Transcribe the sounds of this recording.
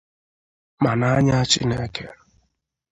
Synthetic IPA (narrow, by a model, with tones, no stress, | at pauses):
ma˨na˨a˦ɲa˦a˦t͡ʃɪ˦ne˦kḛ˦˨